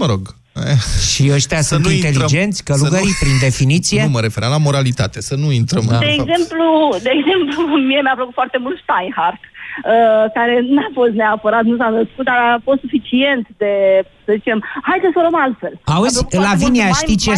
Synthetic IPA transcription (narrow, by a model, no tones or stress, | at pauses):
məɾoɡ | ʃiəʃt̪asunint̪e̞lid͡ʒe̞nt̪sʲkəluɡəɾipɾind̪e̞finit̪sije̞məɾe̞feɾamlamo̞ɾalit̪at̪esənuint̪ɾəmd̪eːɡze̞mplud̪e̞ːɡze̞mplumie̞mapləkut̪foart̪e̞mult̪st̪ajnharkəkaɾe̞nafo̞st̪neapəɾat̪nusanəskut̪̚d̪aɾafost̪sufit͡ʃie̞nt̪d̪e | səzit͡ʃe̞mhajd̪səsoɾəmalt̪fe̞lauzlaviniaʃit͡ʃe